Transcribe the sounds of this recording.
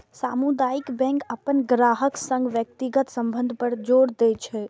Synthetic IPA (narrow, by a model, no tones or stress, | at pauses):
samud̪ajikbɛ̃ŋkəpənɡɾaɦəksə̃ŋɡʋjək̚t̪iɡət̪səmbə̃nd̪ʱpəɾd͡ʒoɽd̪ɛt͡ʃʰɛ